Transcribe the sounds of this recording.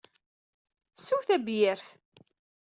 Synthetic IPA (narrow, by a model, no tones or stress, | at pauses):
suwθæbjəɾθ